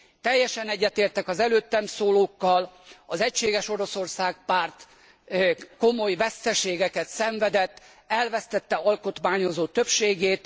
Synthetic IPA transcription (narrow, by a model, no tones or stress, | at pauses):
t̪ɛjːɛʃɛnɛɟːɛt̪eːrt̪ɛkɒzɛløːt̪ːɛmsoːloːkːɒlɒzɛcʃeːɡɛʃo̞ɾo̞so̞rsaːɡpaːrt̪ | ko̞mo̞jvɛst̪ɛʃeːɡɛkɛt̪sɛɱvɛd̪ɛt̪ː | ɛlvɛst̪ɛt̪ːɛɒlko̞t̪maːɲo̞zoːt̪øpʃeːɡeːt̪